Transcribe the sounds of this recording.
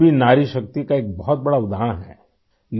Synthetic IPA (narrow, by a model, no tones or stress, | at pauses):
bʱinaːɾiʃɐk̚t̪ikaeːk̚bɔɦɔt̪̚bɐɽaʊd̪ʱaːəɽ̃ɦɛ̰ː | l